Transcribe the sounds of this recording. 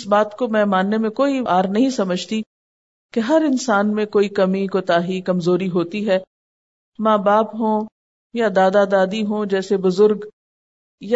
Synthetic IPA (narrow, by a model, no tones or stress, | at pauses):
ɪsbaːt̪komɛ̃ːmaːnːemẽkoːiaːɾnɐɦĩsɐməd͡ʒʱt̪i | keɦɐɾɪnsaːnmẽkoːikɐmikot̪aːɦikɐmzoːɾiɦoːt̪iɦɛː | maːbaːpɦõː | jad̪aːd̪ad̪aːd̪iɦõd͡ʒɛːsebʊzʊɾɡ | ja